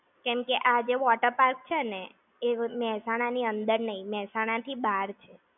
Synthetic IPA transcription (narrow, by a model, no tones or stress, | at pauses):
kɛmkeʔad͡ʒeʋɔʈəɾpaɾk̚t͡ʃʰene | emɛɦsaɽ̃aniənd̪əɾnəɦĩmɛɦsaɽ̃at̪ʰibaɾt͡ʃʰe